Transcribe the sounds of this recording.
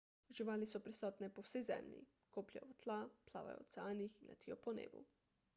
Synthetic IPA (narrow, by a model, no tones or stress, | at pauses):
ʒiʋaːlisɔpɾisɔːt̪nɛpɔwsɛjzɛ̰mlḭ | koːplja̰jɔt̪lapla̰ːʋa̰jɔ̰t̪saːnixinla̰t̪ijɔpɔnḛːbṵ